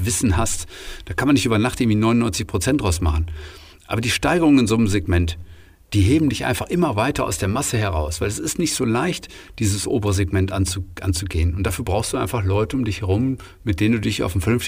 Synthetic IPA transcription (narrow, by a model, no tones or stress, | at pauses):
vɪsn̩hastd̥aːkʰanmanːɪçtʔyːbɐnaχtʔɪɡŋ̩viːnɔʏnɔʏnt͡sɪçpʁ̥ot͡sɛnd̥ʁaʊsmaχn̩ | ʔa̰ːbɐdiːʃtaɪɡəʁʊŋənɪnzoːnəmzeɡmɛnt | d̥iːɦeːbm̩dɪçʔa̰ɪnfaχʔɪmɐvaɪtɐʔa̰ʊsd̥eːɐmasəhɛʁ̞a̰ʊsv̥aɪlɛsɪstnɪçtz̥oːlaɪçtd̥iːzəsʔo̰ːbəʁəzeɡmɛntʔant͡suʔa̰nt͡suɡeːənʊnt̚d̥afyːɐbʁaʊxstduʔa̰ɪnfaχlɔʏtəʊmdɪçhɛʁʊm | mɪtd̥eːnənduːdɪça̰ʊfm̩fɛɐnʏnft